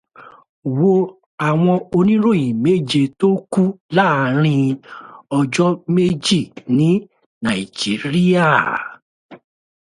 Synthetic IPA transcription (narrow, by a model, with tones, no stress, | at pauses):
wo˧ | a˨w̃ɔ̃˧o˧nĩ˦ɾo˦˨j̃ĩ˨me˦d͡ʒe˧to˦ku˦la˦˨˦ɾ̃ĩ˧ | ɔ˧d͡ʒɔ˦me˦d͡ʒi˦˨nĩ˨˦ | na˨i˨d͡ʒi˨˦ɾi˦a˦˨